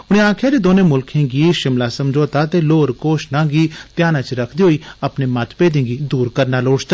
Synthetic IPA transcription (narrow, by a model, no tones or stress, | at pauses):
ʊñẽːãːkʰjaːdeːd̪oːnẽːmʊlkʰẽːɡiːʃɪmlaːsəmd͡ʒoːt̪aːt̪eːloːɾkoːʃnãːɡiːt̪jaːnãːt͡ʃɾəkʰd̪iːɦoːiːəpneːmət̪peːd̪ẽːɡiːd̪uːɾkəɾnaːloːʈt̪a